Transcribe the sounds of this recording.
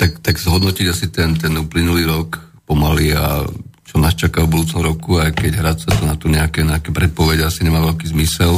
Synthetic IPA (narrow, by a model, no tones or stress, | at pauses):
t̪akt̪aɡz̥ɦɔd̪nɔciɟasit̪ɛnt̪̬ɛnuːplinuliːɾɔk | pɔmalia̰t͡ʃɔnaːst͡ʃakavbud̪uːt͡sɔmɾɔkuajkɛɟɦɾat͡sat̪unat̪uɲɛakɛɲɛakɛpɾɛt̪̚pɔʋɛɟɛasiɲɛmaːʋɛʎkiːzmisɛl